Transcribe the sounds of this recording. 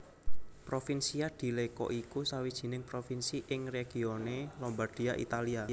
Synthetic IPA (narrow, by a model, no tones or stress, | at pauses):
pɾofinsiad̪̥i̤lekɔ̰ʔikusawid̥ʒ̥i̤nɪŋpɾofinsiʔɪŋreɡ̥i̤onelɔmbarɖ̥i̤aʔḭt̪alia